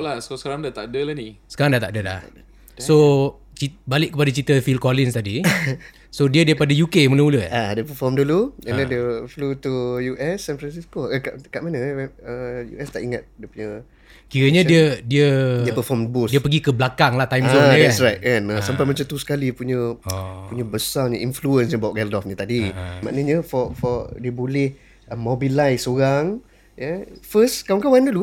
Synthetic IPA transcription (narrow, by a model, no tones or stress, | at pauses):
lasosə̥kaɾaŋdat̪aʔdəlahnisəkaɾaŋdaht̪aʔdəla̰ | so | t͡ʃibalɪʔ̚kːəpadat͡ʃit̪əfilkolinst̪adi | sodiədiajpadəjukemənəuləadiəpəfɔmduluɛladiəflut̪ujuʔɛsɛ̃nfɾansiskoəkaʔkaʔmanəɛəjṵʔɛst̪aʔiŋat̪̚diəpuɲə | kiɾəɲə̃diədiədiəpəfɔmbusdiəpəɡikəblakaŋlaht̪ajmadɛtsrajt̪̚kanəsampajmat͡ʃamt̪usə̥kalipuɲəpuɲəbəsarɲəʔinfluənsɲəbawʔɡɛldɔfɲət̪adima̰ʔnəɲəfɔfɔdiəbolɛh | ʔəmobilajsoɾaŋ | jəfəskawŋkawandəlu